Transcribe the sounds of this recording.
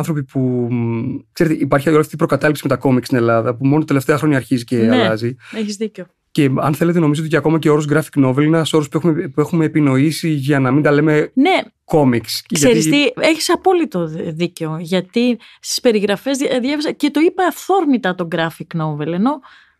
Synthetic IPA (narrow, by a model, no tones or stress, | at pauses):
ɐnθɾo̞pipu | kseɾet̪eʔipɐɾçiolɐft̪ipɾokɐt̪ɐlipsime̞t̪ɐko̞mikst̪ine̞lɐðɐpumo̞not̪ɐt̪eleft̪eɐxɾo̞ɲɐːɾçiziceɐelɐzieçizðico | ce̞ɐ̰nθe̞le̞t̪̬e̞no̞mizoot̪icɐko̞mɐceo̞ɾozɡɾɐfi̥kno̞velineɐso̞ɾospueumepue̞xumeːpino̞isiʝɐnɐmind̪ɐle̞me̞ne̞ko̞miksksʝeɾisieçi̥sɐpo̞lit̪oðiceoʝɐt̪i | st̪i̥spe̞ɾiɣɾɐfe̞zððjɐvezɐce̞t̪o̞ipɐːfθo̞ɾmit̪ɐt̪o̞ɡɾɐfiknove̞le̞no̞